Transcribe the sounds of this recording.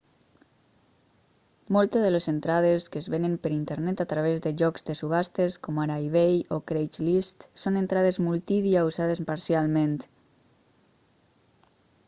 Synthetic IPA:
molˠt̪ezðəlezent̪ɾað̞eskəzβenəmpəɾint̪eɾnɛt̪at̪ɾaβ̞ezðəʒɔkzd̪əsuβast̪eskɔmaɾajβejokɾejt͡ʃlist̪sonent̪ɾað̞ezmulˠt̪iðiauzað̞espaɾsialˠmẽnt̪

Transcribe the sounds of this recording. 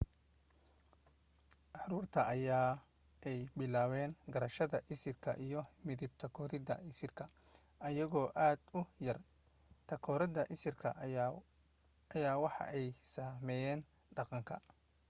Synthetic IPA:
ʔɑɾuːrt̪ʰɐʔɐjaː | ʔɛjbɪlaːwɛːnɡɐɾɐʃɐðɐʔɪsɪrkʰɐ̰ʔijɞmɪðɪb̚t̪ʰɐkʰɔːɾɪðɐ̰ɪsɪrkʰɐ | ʔɐjɐɣɔːʔaːd̪ʊjɐr | t̪ʰɐkʰɔːɾɪðɐʔɪsɪrkʰɐ̰ | ɐjaːwɑħɑ̰ʔɛjsaːmɛjɛːn | ɖɑqɑŋkʰɐ̰

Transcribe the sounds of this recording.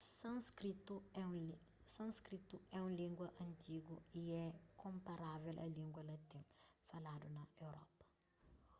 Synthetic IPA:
sɐ̃skɾit̪uɛũ | sɐ̃skɾit̪uɛũlĩŋɡwɐʔɐ̃nt̪ʰiɡuiɛkʰõmpɐɾavɛlʔɐ̰lĩŋɡwɐlɐt̪ĩŋfɐlad̪unɐewɾɔ̰pɐ̥

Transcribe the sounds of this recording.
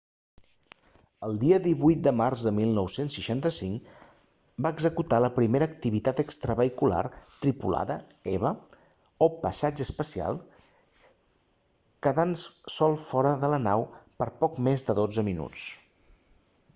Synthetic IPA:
əlˠd̪iəðiβujt̪̚d̪əmarzðəmilˠnɔwsensːəʃant̪əsiŋ | baəɡzəkut̪aləpɾimeɾəːk̚t̪iβit̪at̪əkst̪ɾəβəikula̰rt̪ɾipula̰ðə | ɛβə | opəsad͡ʒəːspəsia̰lˠ | kəðansɔlˠfɔɾəðələnawpəɾpɔkmezðəðod͡zəminṵt͡s

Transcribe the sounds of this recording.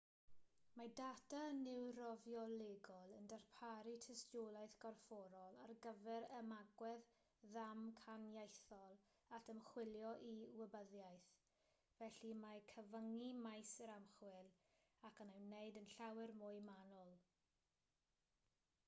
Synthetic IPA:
madatanɪwɾɔvjɔleɡɔlˠəndarpʰaɾitʰəstjolˠajθɡ̥ɔrfɔɾɔlˠarɡəvɛɾəmaɡwɛð | ðamkʰanjajθɔlˠ | atʰəmχwɪljɔʔiwəbəðjajθ | vɛɬimakʰəvəŋimajsəɾamχwɪlˠ | akʰanɛwnːejdənɬawɪrmʊjmanɔlˠ

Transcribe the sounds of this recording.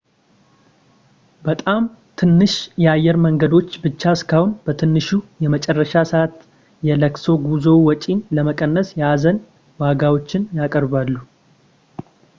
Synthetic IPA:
bət̪ʼam | t̪ʰɨnːɨʃjɛajːɛɾməŋɡəd̪o̞t͡ʃːbɨt͡ʃːaɨskʰahunb̥ət̪ʰɨnːɨʃujɛmət͡ʃʼɛrːəʃasəat̪ | jɛləkso̞ɡuzowɔt͡ʃʼinləməkʼənːəsjɛazən | waɡawo̞t͡ʃːɪnjakʼəɾbalːu

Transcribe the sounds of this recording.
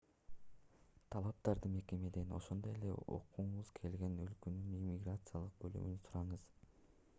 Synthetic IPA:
t̪ʰɑlˠɑp̚t̪ɑɾd̪ɯme̞ke̞me̞d̪e̞no̞̰ʃo̞nd̪o̞je̞le̞̰o̰quɴuβuzkʰe̞lɡe̞nø̞lkønynimʲiɡrat̪sɨjalˠɯq̚bøly̰mynysuɾɑɴɯz̥

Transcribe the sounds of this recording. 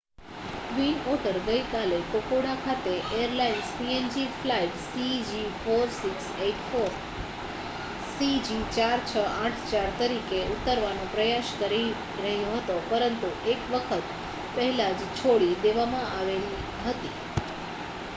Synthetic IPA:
kʋinoʈəɾɡəjkalekokoɽakʰat̪eʔejəɾlainspiend͡ʒiflaiʈsid͡ʒifoɾsikseʈfoɾ | sid͡ʒit͡ʃaɾt͡ʃʰəaʈʰt͡ʃaɾt̪əɾikeut̪ːəɾʋanopɾəjaʃkəɾi | ɾəɦjoɦət̪opəɾənt̪uʔekʋəkʰət̪̚ | pəɦɛlad͡ʒt͡ʃʰoɽid̪eʋamãaʋeli | ɦət̪i

